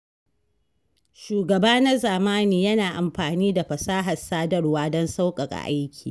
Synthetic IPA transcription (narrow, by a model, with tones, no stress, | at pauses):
ʃuː˨ɡɐ˨baː˦na˦zaː˨maː˦niː˦jɐ˦naː˨ʔa˨mɸaː˨niː˦da˨ɸɐ˨saː˦ɦɐ˨saː˦dɐ˦rwaː˦dɔ˦nsa˦wkʼɐ˨kʼa̰˨ʔa˦jkʲʰiː˨